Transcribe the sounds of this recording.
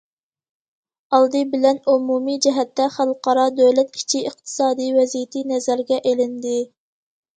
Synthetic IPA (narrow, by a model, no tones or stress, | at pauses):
ɑlˠd̪ɨbɪlɛnumumid͡ʒɛɦɛt̪ːɛχælˠqɑɾɑd̪øjlɛt̪̚kʲʰi̥t͡ʃʰiəχt̪ʰɨ̥sɑːd̪ijwɛzijɪt̪ʰinɛzæɾɡʲɛʔelɪnd̪ɪ